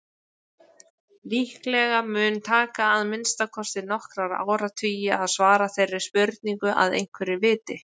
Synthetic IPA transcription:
liːhklɛɣamʏːnt̪ʰaːkaːðmɪnst̪akʰɔst̪ɪnɔhkɾaɾa̰ːwɾat̪ʰʏːjɪaðsvaːɾaθejrːɪ̥spœɾt̪niŋkʏʔa̰ðḛjn̥kʰvɛɾɪvɪːt̪ɪ

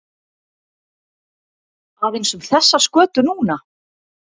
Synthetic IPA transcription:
avejnsʏmθɛsːaskœːt̪ʏnuːna

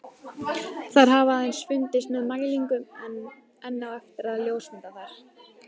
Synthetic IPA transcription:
θaɾ̥ɦavaːðejnsvʏnt̪ɪst̪mɪðmaːjliŋkʏmɛn | ɛnːawɛft̪ɪɾaðljoːwsmɪnt̪aθajɾ̥

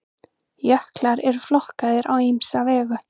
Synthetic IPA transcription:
jœhklaɾɛɾ̥flɔhkaðɪɾʔa̰wimsavɛːɣʏ

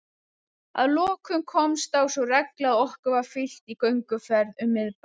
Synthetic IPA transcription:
a̰ðlɔːkʰʏmkʰɔmst̪θawsɔrɛklaɔhkʏvaɾfɪl̥t̪ikœɥŋkʏfɛɾðʏmːɪðp

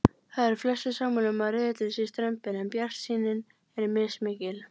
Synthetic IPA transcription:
θaðɛɾ̥flœsːʏsaːmʏlʏmaðrɪðɪt̪ɪnsɪst̪ɾœmpɪnɛmpjar̥siːnɪn | ɛɾmɪsmɪːcɪl

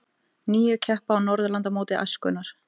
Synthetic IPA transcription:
niːjʏcʰɛhpaːwnɔɾðʏlant̪amoːwt̪ɪʔa̰jskʏ̰nːaɾ̥

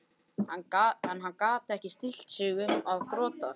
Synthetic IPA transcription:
anaɛnɦanːkaːt̪ɪɛhcɪst̪il̥t̪sʏɣʏaðkɾɔːt̪a̰ɾ̥

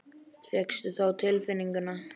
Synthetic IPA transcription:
t̪ʰvjɛkst̪ʏθawt̪ʰɪlfɪnːiŋkʏna

